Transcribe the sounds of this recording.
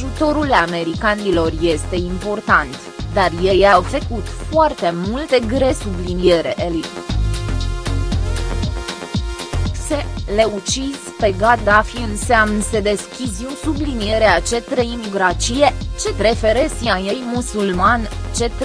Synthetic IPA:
ʒut̪o̞ɾulame̞ɾikanilo̞rje̞st̪e̞impo̞rt̪ant̪ | d̪arje̞jawfəkut̪foart̪e̞mult̪e̞ɡɾe̞sublinije̞ɾeʔeli | sele̞ut͡ʃizpe̞ɡat̪̚d̪afiɨnseamnse̞d̪e̞skʲizusublinije̞ɾeat͡ʃe̞t̪ɾeimɡɾat͡ʃijet͡ʃe̞t̪ɾe̞fe̞ɾesiajejmusulmant͡ʃe̞t̪

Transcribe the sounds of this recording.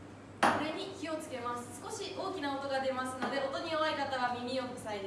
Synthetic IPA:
ko̞ɾe̞ɲ̟ikʲio̞t͡sɨ̥ke̞masɨ̥sɨ̥ko̞ɕiʔo̞ːkʲinao̞t̪o̞ɡad̪e̞masɨno̞d̪e̞o̞t̪o̞ɲ̟ioβaikat̪aβamʲimʲio̞kɯkɯsaid̪e

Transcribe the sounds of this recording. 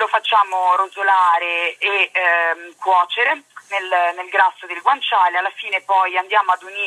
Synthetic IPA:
lofat͡ʃːaːmoɾozolaːɾeː | kːwɔːt͡ʃeɾenelnelɡɾasːod̪elɡwant͡ʃaːlealːafiːnepɔjand̪jaːmoad̪uniː

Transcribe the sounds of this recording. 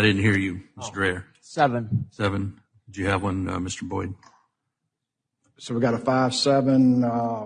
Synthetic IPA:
aɪdɪdⁿn̩t̚hiɹjɨmɪstəɹɛɹ | sɛvɨ̃nsɛvɨ̃n | dɨd͡ʒɨɨvwʌ̃nʌ̰mɪstə˞bɔɪd̩ⁿ | soʊwiɡɑɾəfaɪv̥sɛvə̃n

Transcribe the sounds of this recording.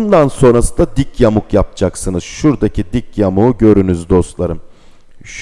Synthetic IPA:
nd̪anso̞nɾasɯd̪ad̪icʰjamukjap̚d͡ʒʰaksɯnɯz̥ʃuɾd̪acʰid̪icjamuuɟø̞ɾynyzd̪o̞st̪lˠaɾɯm | ʃ

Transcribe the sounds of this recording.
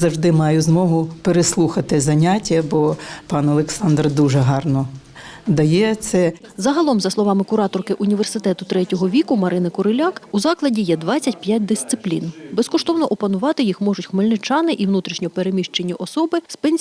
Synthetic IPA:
zɐwʒd̪ɪmɑjʊzmɔɦʊpeɾeslˠuxɐt̪ɪzɐnʲatʲːɐbɔpɑnɐlˠeksɑnd̪rd̪uʒɛɦɑrnɔd̪ɐjɛt̪sɛzɐɦɐlˠɔmzɐslˠɔʋɑmɪkʊɾɑt̪ɔrkɪʔʊnʲiʋe̞rsɪt̪ɛt̪ʊt̪ɾɛtʲɔɦɔʋʲikʊmɐɾɪnɪkʊɾelʲɑkuzɑklˠɐdʲijɛd̪ʋɑt͡sʲːɐtʲpʲjatʲd̪ɪst̪sɪplʲḭnbeskɔʃt̪ɔwnɔʔɔpɐnʊʋɑt̪ɪjixmɔʒʊtʲxmelʲnɪt͡ʃɑnɪʔiʋnut̪ɾʲiʃnʲɔpeɾemʲiʃt͡ʃenʲːiʔɔsɔbɪspenʲsʲ

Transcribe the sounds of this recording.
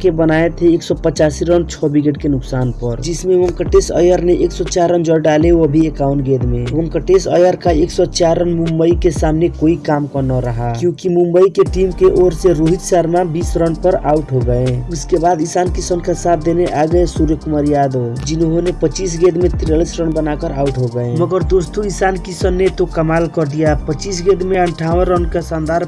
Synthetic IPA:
kebənaet̪ʰɦeeksɔpət͡ʃasiɾənt͡ʃʰɔbiɡeɖkenuksanpəɾd͡ʒismeʋəŋkəʈesə̰jəɾneʔeksɔt͡ʃaɾənd͡ʒɔɖaleəbʱiekawnɡed̪meʋəŋkəʈesə̰jəɾkaeksɔt͡ʃaɾənmumbəikesamnekoikamkɔnɔɾəɦakjũkimumbəikeʈimkeʔoɾseɾoɦit̪saɾmabisɾənpəɾa̰uʈɦoɡəẽuskebad̪isankisənkasat̪̚d̪eneʔaɡəesuɾjəkumaɾjad̪od͡ʒinɦonepət͡ʃisɡed̪met̪ɾelisɾənbənakəɾauʈɦoɡəẽməɡəɾd̪ost̪uisankisənːet̪okəmalkɔɾd̪ijapət͡ʃisɡed̪meəɳʈʰawənɾənkesənd̪aɾ

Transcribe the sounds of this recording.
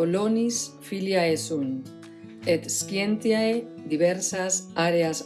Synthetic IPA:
olonis | filjaesun | et̪skjent̪iajd̪iβ̞eɾsasaɾeas

